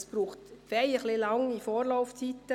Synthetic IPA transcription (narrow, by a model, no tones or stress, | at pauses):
sb̥ɾuːχtfɛjəχlɪlɑŋifoːɾlaʊft͡sit̪ːə